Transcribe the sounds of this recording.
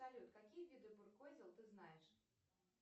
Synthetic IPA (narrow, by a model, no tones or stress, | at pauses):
alʲut̪kakʲijvʲid̪ɨbɨrkɔzʲɛlˠt̪ɨznajɛʂ